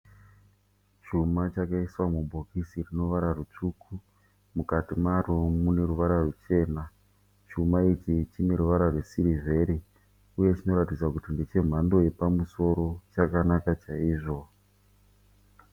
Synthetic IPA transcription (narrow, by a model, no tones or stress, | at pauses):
t͡ʃumat͡ʃakaiswamumbo̞kisirino̞ʋaɾarut͡ʂukʰu | mukatimaromune̞ɾuʋaɾarut͡ʃe̞ːna | t͡ʃumait͡ʃit͡ʃine̞ɾuʋaɾarwe̞siɾive̞ɾi | uje̞t͡ʃino̞ɾatid͡zwakutindet͡ʃe̞m̤ando̞je̞pamuso̞ɾo̞t͡ʃakanakat͡ʃaiːʐo̞